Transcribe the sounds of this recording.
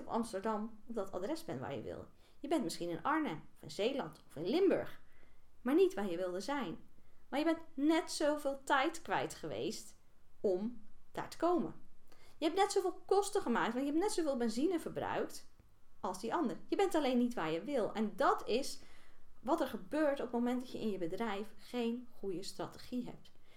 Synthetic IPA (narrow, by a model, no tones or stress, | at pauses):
ɔpɑ̰mstəɹdɑmɔpdɑta̰drɛzbɛntʋa̰ɹjə̰ʋɪ̰lˠə | jəbɛntmɪsχinɪnɑɹnəɔfɪnzejlɑntɔfɪnlɪmbø̰ɹχmaːɹnitʋaːɹjəʋɪlˠdəzɛjnmaɹjəbɛntnɛtsowvɪːlˠtɛjtkʋɛ̰jtχəʋḛjst | ɔmd̥a̰ːɹtə̥kowmə̰njəɦɛp̚nɛtsowvɪːlˠkɔstəχəmaːk̚tʋɑntjəɦɛptnɛtsowvɪːlˠbɛnzinəvəɹbrœ̰ɥkt | ɑlˠzdiʔɑndəɹjəbɛntɑlejnːitʋaːɹjəʋɪlˠɛndɑtʰɪs | ʋɑtɛɹχəbøːɹtɔpmowmɛnt̚dɑtjəɪ̰njəbədrɛjfχejnχujəstra̰təχiɦɛ̰p̚t